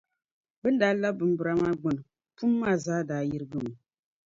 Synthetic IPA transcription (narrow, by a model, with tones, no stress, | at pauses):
bɨ˦n̩˦da˨˦la˦bɨ˨m̩˦bɨ˨ɾa˨˦ma˦ɡ͡bɨ˨n˨ | pu˦mːa˦˨zaː˦da˨˦ji˦ɾɨ˦ɡɨ˦˨mɨ˨